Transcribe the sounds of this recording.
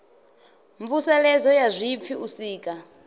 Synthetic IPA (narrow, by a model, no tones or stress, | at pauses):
ɱvusɛlɛd͡zɔjazʷip̪fʰiusiːkʼa